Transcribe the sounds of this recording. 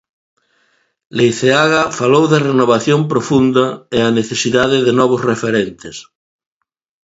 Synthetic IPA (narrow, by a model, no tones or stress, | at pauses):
lejθeaɣafalowðerenoβaθjompɾofund̪ɐeaneθesiðaðeðenɔβ̞ozrefeɾent̪es